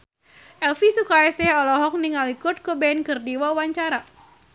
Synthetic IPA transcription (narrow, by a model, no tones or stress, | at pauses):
ʔɛlfisukaɛsɛhɔlɔɦɔk̚niŋalikʊt̪̚kobɛnkɨrdiwauwaɲt͡ʃaɾa